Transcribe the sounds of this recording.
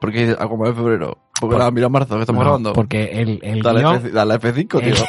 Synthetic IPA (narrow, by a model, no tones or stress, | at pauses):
poɾkeiθea̰kwamaẽfeβɾeɾo̰ | poɾkɾaamiɾamaɾθokest̪amɣɾaβand̪opoɾkeeleld̪aleeθd̪alaefeθiŋkot̪io